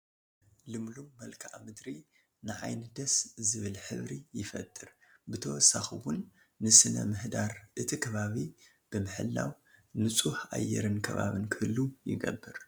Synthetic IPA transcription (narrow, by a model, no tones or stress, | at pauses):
lɨmlumːɐlkʰaʔmɨd̪ɾi | nɨʕa̰jnɨd̪ɐszɨβɨlħɨ̰βɾijɪfɐ̰t̪ʼːɨɾbɨt̪ʰɐwɔsaxiwʊnː | ɨsɨnɐ̰mɨhd̪aɾʔɨt̪ʰikʰɐβaβi | b̥ɨmɨħɨ̰lːa̰w | nɨt͡sʼuħʔa̰jːɛ̰ɾɨnkʰɐβa̰βɨnkʰɨɨlːujɪ̰ɡɐ̰bːɨɾ